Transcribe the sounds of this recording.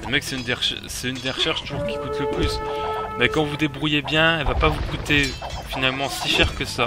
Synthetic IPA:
ləmɛksɛynd̪eʁʃɛ̰ | sɛynd̪eʁəʃɛʁʃt̪uʒuʁkʲi̥kut̪ləplysmɛkɑ̃vud̪ebʁujebjɛ̃ɛlvapavukut̪e | finalmɑ̃siʃɛʁkəsa

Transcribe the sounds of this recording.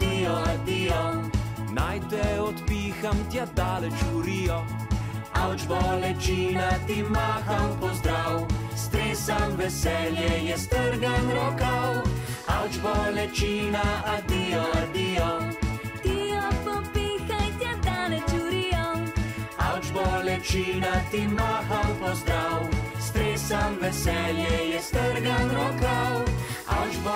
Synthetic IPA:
t̪iɔad̪ijɔnajt̪ɛɔt̪piːxamt̪jad̪aːlɛt͡ʃuɾijɔ | awt͡ʃbɔlɛt͡ʃinat̪imaxawpɔzd̪ɾawst̪ɾeːsamvɛsɛljɛjɛst̪əɾɡanɾɔkawawd͡ʒbɔlɛt͡ʃinaad̪iːɔad̪iɔt̪iɔpɔpikajt̪jɛd̪alɛd͡ʒuɾiɔ | awd͡ʒbɔlɛt͡ʃiːnat̪imaːxawpɔzd̪ɾawst̪ɾeːsanʋɛsɛljɛjɛst̪əɾɡanɾɔkaw | a̰wd͡ʒb

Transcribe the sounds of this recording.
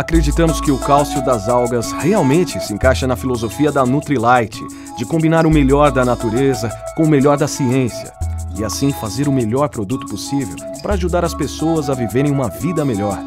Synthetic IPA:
akɾed͡ʒit̪ɐ̃mʊskɪʊkawsiʊd̪ɐzawɡɐsheawmẽnt͡ʃɪsɪẽŋkajʃɐnɐfilozofiɐd̪ɐnut̪ɾilajt͡ʃɪ | d͡ʒɪkõbinaɾʊmeʎɔɾd̪ɐnat̪uɾezɐkõʊmeʎɔɾd̪ɐsiẽsiɐ̰ɪasĩfazeɾʊmeʎɔɾpɾod̪ut̪ʊ̥posivḛw | pɾɐːʒud̪aɾɐspesowɐzɐviveɾẽj̃ũmɐvid̪ɐmeʎɔɾ

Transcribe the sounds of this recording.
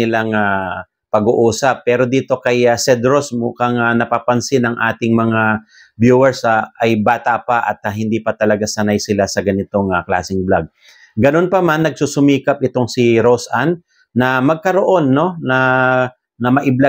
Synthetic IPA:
ɪlaŋa | pɐɡuʔuːsɐpːɛːɾo̞d̪iːt̪o̞kɐjasɛd̪ɾosmuːkɐŋanɐpapɐnsɪnɐŋʔaːt̪ɪŋmɐŋa | bjuːwɛɹsʔɐjbaːt̪apaʔɐ̰t̪̚aɦɪnd̪iːpɐt̪ɐlɐɡasɐnajsɪlasɐɡɐnɪt̪o̞ŋɐkla̰ːsɪŋblaɡ̚ | ɡɐno̞npɐmanːɐɡ̚suːsʊmiːkɐp̚ʔɪt̪o̞ŋsɪɾosʔanː | ɐmɐɡ̚kɐɾoʔo̞nːo̞nɐ | nɐmɐʔɪbla

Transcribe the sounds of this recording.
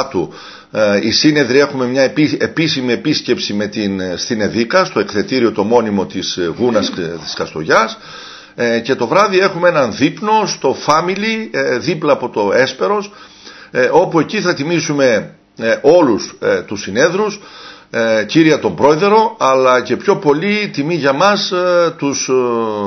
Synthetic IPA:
t̪u | isine̞ðɾie̞xume̞mɲɐepisimiepisce̞psime̞t̪inst̪ine̞ðikɐst̪o̞ekθe̞t̪iɾio̞t̪o̞mo̞nimo̞t̪isɣunɐst̪i̥skɐst̪o̞ʝɐs | ce̞t̪o̞vɾɐðie̞xumee̞nɐnðipno̞st̪o̞fɐmiliðiplɐːpo̞t̪o̞e̞spe̞ɾo̞s | o̞pue̞ciθɐt̪imisume̞ | ʔo̞lust̪usine̞ðɾus | ciɾiɐt̪o̞mbɾo̞eðe̞ɾo̞ɐlɐce̞pço̞po̞lit̪imiʝɐmɐst̪us

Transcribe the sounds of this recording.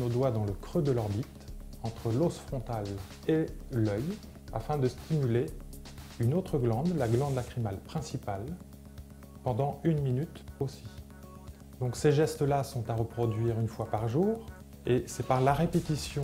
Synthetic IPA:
nod̪wad̪ɑ̃ləkχød̪əlɔʁbit̪ɑ̃t̪χəlosfχɔ̃t̪al | elœj | a̰fɛ̃d̪əst̪ʰimyle | ynot̪χəɡlɑ̃d̪laɡlɑ̃d̪lakχimalpχɛ̃sipal | pɑ̃d̪ɑ̃ynminyt̪osi | d̪ɔ̃kseʒɛst̪əlasɔ̃t̪aʁəpχɔd̪ɥiːʁynfwapaʁʒuːʁ | esɛpaʁlaʁepet̪isjɔ̃

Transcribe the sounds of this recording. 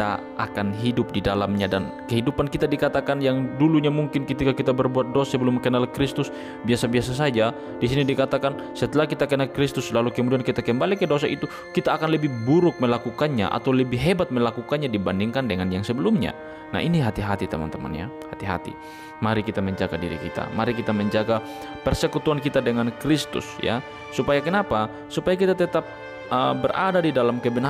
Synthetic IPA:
t̪a̰ʔakanɦidʊp̚didalamɲadankɛɦidupankit̪adikat̪akanjaŋduluɲamuŋkɪnkət̪ikakit̪abərbuat̪̚dosabəlʊmkɛnalkɾist̪ʊs | biasabiasas̬ad͡ʒa | disinidikat̪akan | sɛt̪əlakit̪akɛnalkɾist̪ʊslalukəmudiankit̪akəmbalikɛdosaʔit̪u | kit̪aːkanləbihbuɾʊk̚mɛlakukanɲa̰ʔa̰t̪awləbiɦɛbat̪̚mɛlakukanɲadibandiŋkandɛŋanijaŋsəbɛlumɲa̰ | na̰ɦʔiniɦat̪iɦat̪it̪amant̪əma̰nja̰ | hat̪iɦa̰t̪ḭ | maɾikit̪amɛɲd͡ʒaɡadḭɾḭkḭt̪a̰maɾikit̪amɛɲd͡ʒaɡa | pɛrsɛkut̪uankit̪adɛŋankɾist̪ʊ̰sja̰ː | upajakənapa | supajakit̪at̪ɛt̪ap̚ | əbɛrʔa̰dadidalamkɛbɛn

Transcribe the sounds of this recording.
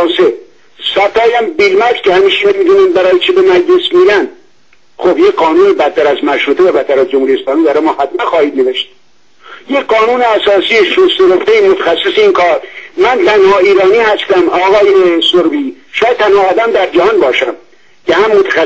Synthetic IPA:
nse | sæt̪ʰːɑːjæmbilmæskʲʰehæmiːʃememiːd̪uːnænbæɾɒːjet͡ʃʰebemæd͡ʒlesmiːɾænd̪ | xobjecɢɒːnuːnebæt̪ʰːæɾæzmæʃɾuːt̪ʰevæbæt̪ʰːæɾæzd͡ʒomhuɾijeslɒːmiːbæɾɑjmɒːhæt̪mænxɒːhiːd̪ne̞veʃt̪̚ | jekɢɒːnuːneæsɒːsiːeʃost̪eɾoft̪eimot̪ʰæ̥xæsːeseinkʰɒːɾmænt̪ʰænhɒːiːɾɒːniːhæst̪æmɒːɣɒːjesoɾbiːʃɑːjæd̪t̪̚t̪ʰːænhɒːd̪æmd̪æɾd͡ʒæhɒnbɒːʃæm | kehæmːot̪ʰæxæ

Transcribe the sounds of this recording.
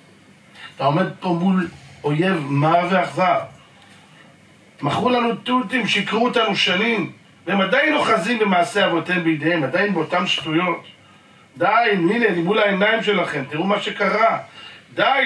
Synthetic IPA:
at̪ao̞me̞d̪̚po̞mulo̞je̞vmave̞aχzav | maχʁulanut̪ult̪imʃeikʁuet̪anuʃanim | vehemad̪ajnoχazimbemaːse̞avot̪embejid̪ehemad̪ajnbeot̪amʃtujo̞t̪ | d̪ajininenimulae̞naimʃe̞laχe̞mt̪iʁumaʃe̞kaʁad̪a

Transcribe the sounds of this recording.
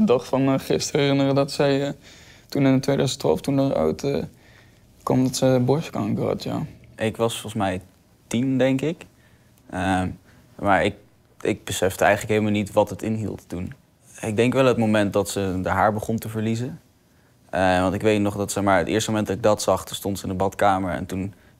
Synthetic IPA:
ədɑχfɑnəχɪstərɛrɪnərədɑtsɛjətunɪntʋejdœɥzəntʋa̰ːlˠftundəɹa̰wtə | kɑ̰mdɔtsəbɔɹskɑ̰ŋkəɦɑ̰tʰja̰ːɪkʋɑsfɔχən̩smɛj | tindɛŋkɪk | ə | maːɹɪk̚ | ɪɡ̚bəsɛfdəɛjχənləkɦeləmalˠnitʋɑtɦətɪnɦḭlˠttun | ɪɡ̚dɛŋkʋɛlˠɦətmomɛnt̚dɑtsədəɦaːɹbəχʊntəvəɹlizə | ʋɑntɪkʋejtnɔχdɑtsəmaːɹətʔɪ̰ːɹstəmomɛndɑtɪɡ̚dɑtsɑχtunstontsəɪndəbɑtkaːməɹɛ̰ntun

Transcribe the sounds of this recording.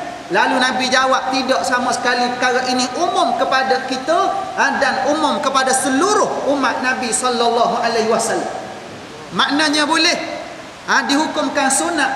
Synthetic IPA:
lalunabid͡ʒawap̚t̪idɔʔsamasə̥kalipəkaɾaʔiniʔumʊmkəpadakit̪əadanumʊmkəpadasəluɾʊhumat̪̚nãbisɔlːɔlːaɦualeɦiwasalːa̰mː | aʔnaɲabolɛh | adiɦukʊmkansunaʔ

